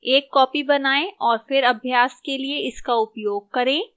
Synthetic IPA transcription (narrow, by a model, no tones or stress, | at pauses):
eːkːɔːpibɐnaːẽʔɔːɾfɪɾɐbʱjaːskelieɪskaʊpjoːɡ̚kɐɾẽː